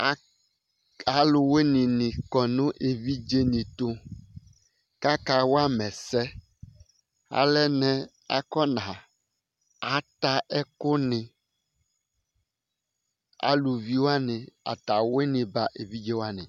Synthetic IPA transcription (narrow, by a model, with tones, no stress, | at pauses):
a˨lʊ˨we˦nĩ˨nĩ˨kɔ˨nũ˦ʔe˨vi˦d͡ʒe˦nĩ˨t̪o˦ | ka˦ka˦wo˦a˦mɛ˨sɛ˦ | a̰˨lɛ˦nɛ̃˦ | a̰˦kɔ˦nã˨ | a˨t̪a˦ʔɛ˦kʊ˦nɪ̃˨ | a̰˦lu˨vi˦wo˦a˦nɪ̃˨a̰˨t̪a˨we˦nĩ˨ba˨ʔe˨vi˦d͡ʒe˦wo˦a˦nɪ̰̃˨